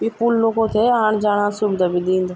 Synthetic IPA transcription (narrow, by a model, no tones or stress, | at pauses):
piːpuːlloːkot̪ʰeɦaːɽ̃d͡ʒaːɽ̃ãːsʊbd̪abid̪ĩːnd̪aː